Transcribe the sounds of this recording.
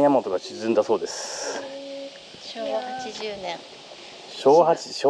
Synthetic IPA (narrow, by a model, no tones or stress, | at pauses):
jamo̞t̪oɡaɕizɨ̃nd̪aso̞ːd̪e̞sɨ̥ | ohaiʑnẽ | ɕoːhat͡ɕi̥ɕo